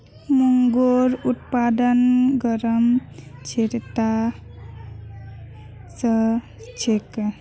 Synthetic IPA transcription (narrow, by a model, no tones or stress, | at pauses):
muŋɡoɾut̪̚pad̪ənɡəɾəmt͡ʃʰeɾt̪a | sʌ | t͡ʃʰek